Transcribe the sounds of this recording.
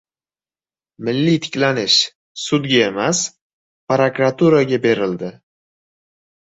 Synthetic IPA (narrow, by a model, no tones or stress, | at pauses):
mɪlːit̪ʰɪ̥kʲlanɪʃ | sʊd̪ɡʲaemas | pɾakɾat̪uɾaɡʲabe̞ɾɪld̪ɪ